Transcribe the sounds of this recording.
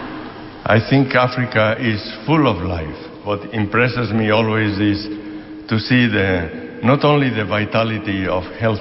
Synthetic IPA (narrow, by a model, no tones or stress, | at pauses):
ʔa̰jθĩŋkafɾikaʔɪzfulɔvlajf | bɔt̪ĩmpɾɛsɪzmiɔlwezɪs | t̪usiðə | nɔt̪õnliðəvajt̪alit̪iɔfhɛlθ